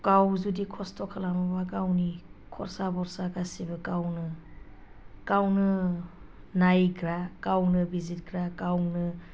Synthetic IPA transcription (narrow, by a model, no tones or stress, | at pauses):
kawzudikʰɔstɔkʰalamɔbakawnikʰɔ̰ɾsabɔɾsaɡasibɯkawnɯ | kawnɯ | najɡɾakawnɯbizit̚ɡɾakawnɯ